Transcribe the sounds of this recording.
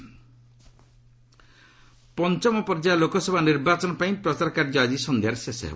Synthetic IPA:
pɔnt͡ʃɔmɔpɔɾd͡ʒalokɔsɔbʱaniɾbat͡ʃɔnɔpaĩpɾɔsaɾɔkaɾd͡ʒad̪isɔnd̪ʱiaɾesesɔ̰ɦḛbɔ

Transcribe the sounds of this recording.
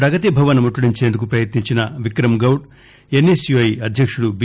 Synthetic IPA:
pɾɐɡɐt̪̬ibʱɐʋɐnɐmuʈːuɽiɲt͡ʃeːnd̪ukupɾɐjɐt̪niɲt͡ʃinɐʋikɾɐmɡɐwʈ | enːesjuɐjɐd̪ʱjɐkʂuɽub

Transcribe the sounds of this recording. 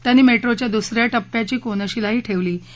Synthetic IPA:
t̪janːiːmeʈɾot͡ɕjad̪usɾjaʈəpːjat͡ɕiːkonəɕilaɦiːʈʰeʋliː

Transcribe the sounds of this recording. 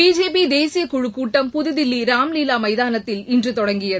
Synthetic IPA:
iːd͡ʒeːpid̪eːsɪjɐkʊɻɯkːuːʈːɐmpʊðɯðɪlːiɾaːmliːlaːmɐɪðaːnɐt̪ːɪlɪndrɯt̪ɔɽɐŋɡɪjɐ

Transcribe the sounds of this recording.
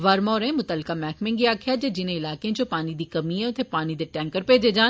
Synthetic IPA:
ʋaɾmɔːɾẽmʊt̪əlkamɛːkmẽŋɡiaːkʰjad͡ʒed͡ʒɪnẽɪlaːkẽd͡ʒopaːnid̪ikɐmiɦɛ̃ʊt̪ʰepaːnid̪eʈɛ̃ːŋkəɾped͡ʒed͡ʒaː

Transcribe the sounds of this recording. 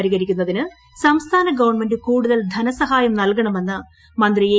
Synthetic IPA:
ɾiɣɐɾikʲːunːɐðinɨ | sɐmst̪ʰaːnɐɡɐʋɐɳme̞ndɨkuːɽuðɐld̪ʱɐnɐsɐɦaːjɐmnɐlkɐɳɐme̞nːɨ | mɐnd̪rije

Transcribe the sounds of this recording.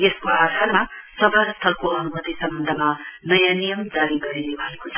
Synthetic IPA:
jeskoad̪ʱaɾmasʌbʱaɾʌst̪ʰʌlkoʌnumʌt̪isʌmːʌnd̪ʱʌmanʌjanijʌmd͡zaɾiɡʌɾenebʱʌekot͡sʰʌ

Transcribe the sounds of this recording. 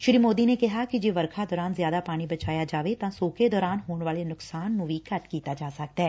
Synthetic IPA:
ʃɪɾiːmoːd̪iːneːkɪɦaːkɪd͡ʒeːʋəɾkʰaːd̪ɔːɾaːnzjaːd̪aːpaːɽ̃ibət͡ʃaːjaːd͡ʒaːʋet̪ãːsoːked̪ɔːɾaːnɦoːɳʋaːleːnʊksaːnːũːʋiːkət̪kiːt̪aːd͡ʒaːsək̚d̪aɦɛː

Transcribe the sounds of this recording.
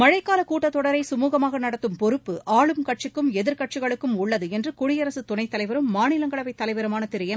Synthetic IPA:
mɐɻɐɪkːaːlɐkuːʈːɐt̪ːɔɽɐɾɐɪsʊmuːɣɐmaːɣɐnɐɽɐt̪ːɯmpɔɾɯpːɯaːɭɯmkɐʈ̚t͡ʃɪkːɯmɛðɪɾkɐʈ̚t͡ʃɯɣɐɭɯkːɯmʊɭːɐðɯɛndrɯkʊɽɪjɐɾɐsɯt̪ʊnɐɪt̪ːɐlɐɪʋɐɾɯmːaːnɪlɐŋɡɐɭɐʋɐɪt̪ːɐlɐɪʋɐɾɐmaːnɐt̪ɪɾɯjɐm

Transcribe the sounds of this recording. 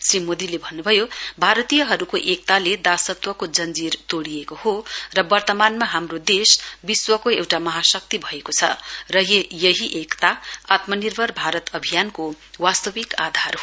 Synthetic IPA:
srimod̪ilebʱʌnːubʱʌjobʱaɾʌt̪ijʌɦʌɾukoʔek̚t̪aled̪asʌt̪wʌkod͡zʌnd͡zirt̪oɽijekohorʌbʌrt̪ʌmanmaɦamrod̪esbiswʌkoewʈamʌɦasʌk̚t̪ibʱʌekot͡sʰʌ̰rʌɦejʌɦiʔekt̪aat̪mʌnirbʱʌrbʱaɾʌt̪ʌbʱijanko | wast̪ʌbikad̪ʱarɦo

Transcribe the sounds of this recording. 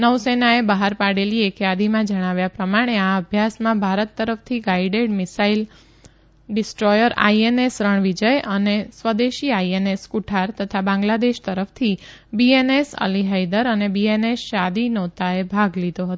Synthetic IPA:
nəʋsenaebəɦaɾpaɽeliekjad̪imãd͡ʒəɽ̃aʋjapɾəmaɽ̃eaəbʱjasmãbʱaɾət̪ːəɾəft̪ʰiɡaiɖeɖmɪsail | ɖɪsʈɾɔjəɾa̰ienesɾəɳʋid͡ʒəjənesʋəd̪eʃiajeneskuʈʰaɾt̪ət̪ʰabãŋɡlad̪eʃt̪əɾəft̪ʰibienesə̰liɦajd̪əɾənebienesʃad̪inɔt̪aebʱaɡlid̪oɦət̪o

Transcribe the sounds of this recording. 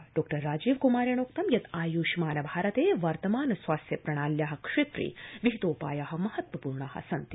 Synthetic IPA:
ɖɔːk̚ʈɐɾːaːd͡ʒiːʋkumaːɾjɐɳ̃oːkt̪ɐmjɐt̪aːjuːʃimaːnɐbʱaːɾɐt̪eːʋɐɾt̪ɐmaːnɐsʋaːst̪jɐpɾɐɽ̃aːljaːɦɐ̆kʂet̪ɾḭːʋiɦit̪oːpa̰ːjaɦɐ̆mɐhɐt̪ʋɐpuːɾɳaːɦɐ̰sɐnt̪i

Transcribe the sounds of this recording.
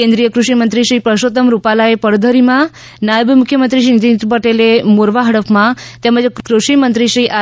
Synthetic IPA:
ẽnd̪ɾijəkɾuʃimənt̪ɾiʃɾipɾəʃot̪əmɾupalaepəɽd̪ʱəɾimã | najəbmukʰjəmənt̪ɾiʃɾint̪int̪ɾpəʈelemoɾʋaɦəɽəpmãt̪ɛməd͡ʒkɾuʃimənt̪ɾiʃɾiʔa

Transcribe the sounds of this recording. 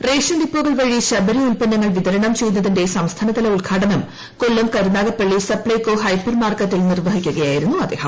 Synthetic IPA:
re̞ːʂɐnd̪ipːuɣɐɭʋɐɻiɕɐbɐɾiulpɐnːɐŋːɐɭʋid̪ɐɾɐɳɐmt͡ɕejːunːɐðinde̞sɐmst̪ʰɐnɐðɐlɐulɡʰʱaːʈɐnɐm | ko̞lːɐmkɐɾunaːɣɐpːeɭːisɐpɭɐjkːoːɦɐjpːɐrmaːrkɐt̪ːilnirʋɐɦikʲːuɣɐjaːjiɾunːuɐd̪ːeːhɐm

